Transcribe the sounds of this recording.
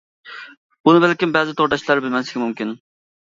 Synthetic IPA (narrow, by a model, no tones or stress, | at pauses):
b̥unɪbɛlkʲimbɛzɪt̪ʰoɾɖ̪ɑʃlˠɑɾbɪlmɛnsɪkʲɛmumkʲin